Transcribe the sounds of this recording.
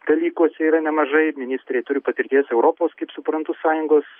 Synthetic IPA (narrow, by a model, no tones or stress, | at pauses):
d̪̥ɐlʲiːkuɔsʲɛiːɾɐnʲɛmɐʒɐɪmʲɪnʲɪsʲt̪ʲɾʲɛɪt̪ʊɾʲɪpɐt̪ʲɪɾʲt̪ʲiɛsɛʊɾoːpoːskɐɪpsʊpɾɐnt̪ʊsɑːjʊŋɡoːs